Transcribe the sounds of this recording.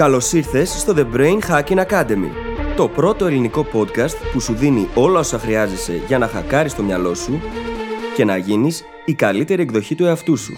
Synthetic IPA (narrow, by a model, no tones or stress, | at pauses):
kɐlo̞siɾθe̞sːt̪o̞ðe̞bɾe̞jnxɐcinɐkɐd̪e̞mḭt̪o̞pɾo̞t̪o̞eliniko̞po̞d̪̚kɐst̪pusuðiniʔo̞lɐo̞sɐxɾiɐze̞se̞ʝɐnɐxɐkɐɾist̪o̞mɲɐlo̞su | ce̞nɐʝinis | ikɐlit̪e̞ɾiekðo̞çit̪ue̞ɐft̪usṵ